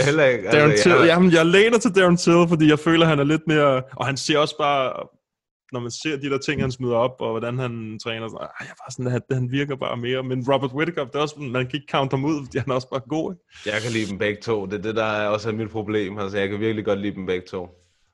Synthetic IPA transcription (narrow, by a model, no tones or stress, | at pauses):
hel̰ɐeɡd̥ænt͡sʰejæjɑɪleːnɐt͡sʰe̝ld̥ænt͡sʰelˠfɒ̽d̥ḭːjɑ̈ɪfø̰ːlɐɦænæɐle̝d̥me̝ːɐʔɒ̽hænse̝ɐ̰ɒ̽sb̥ɑ̈ː | nɒmænse̝ɐ̰d̥id̥e̝ɐt͡sʰe̝ŋ̰hænsmyð̞ˠɐɒ̽b̥ɒ̽ʋɒɾ̥ænhænt͡sʰʁɛːnɐsɔnaɪjab̥ɑ̈ːsɒnhæd̥ehænʋiɐɡ̥ɐb̥ɑ̰̈ːme̝ːɐmenʁɒb̥ɐd̥we̝d̥̚kʰɒb̥d̥e̝ɒ̽snmænkʰæe̝ɡ̥̚kʰɑ̈ʊnd̥hɑmuð̞̰ˠfɒ̽d̥ḭːhænæɐɒ̽sb̥ɑ̈ːɡ̥o̝̰ːe̝ɡ̥jɑ̈ɪkʰælḭːb̥m̩b̥æɡ̥̚t͡sʰo̝̰ːd̥e̝ɐd̥ed̥ɑ̈ɒ̽sæmid̥pʰʁo̝b̥le̝̰ːmælsɒjɑɪkʰæʋiɐɡ̥liɡ̥ɒ̽d̥lḭːd̥m̩b̥æɡ̥̚t͡sʰo̝̰ː